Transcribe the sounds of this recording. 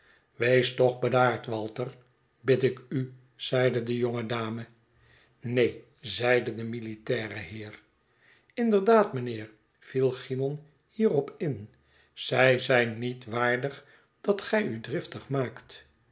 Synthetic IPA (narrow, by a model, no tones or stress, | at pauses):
ʋejstɔχbədaːɹtʋɑlˠtəɹ | bɪtɪky | z̥ɛjdədəjoŋədaːmə | nej | zɛjdədəmilitɛːrəɦɪːɹ | ɪndəɹdaːtmənɪːɹ | v̥ilˠχimɔn | hiːrɔpɪn | z̥ɛjzɛjnːitʋaːɹdəχ | d̥ɑtχɛjydrɪftəχmaːkt